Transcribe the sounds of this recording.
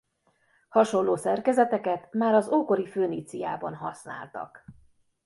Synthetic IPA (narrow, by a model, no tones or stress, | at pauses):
hɒʃo̞nlːoːsɛrkɛzɛt̪ɛkɛt̪maːɾɒzoːko̞ɾiføːnit̪sija̰ːbɒ̰nɦɒsna̰ːlt̪ɒ̰k